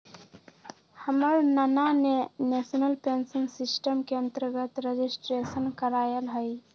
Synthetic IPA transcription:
həməɾnananenesənəlpensiŋsɪsʈəmkeə̃nt̪əɾɡət̪ɾed͡ʒisʈɾesənkəɾaːjəlɦəj

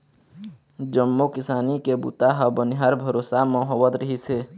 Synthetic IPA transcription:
d͡ʒəmːokɪsaːnikebṵt̪aɦəbənɪɦaːɾbʱəɾoːsamɔ̃ɦoʋət̪ɾəɦise

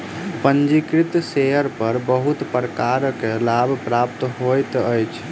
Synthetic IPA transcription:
pənd͡ʒikɾit̪seɦəɾpəɾbəɦut̪pəɾkaɾəkelabʱpɾap̚t̪ɦojt̪əjt͡ʃʰ

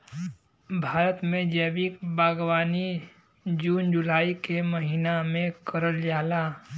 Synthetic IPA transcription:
bʱaːɾət̪mẽd͡ʒɛːbikbaːɡwaːni | d͡ʒuːnd͡ʒʊlaːikeməɦinamẽkəɾəld͡ʒaːla

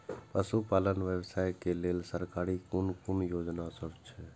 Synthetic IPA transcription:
pəsupalənʋjəbsaːjkeleːlsəɾkaːɾikʊnkʊnjoːd͡ʒnasəbt͡ʃʰɛ

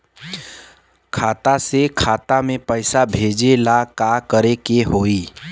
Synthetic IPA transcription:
kʰaːt̪asekʰaːt̪amẽpəɪsabʱeːd͡ʒelakakəɾekeɦoːiː

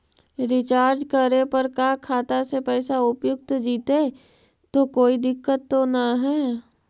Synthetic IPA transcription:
ɾɪt͡ʃaːɾd͡ʒkəɾepɐɾkakʰaːt̪asepɛːsaʊpjʊk̚t̪d͡ʒiːt̪e | t̪okoːid̪ɪkːət̪ːonaɦɛː

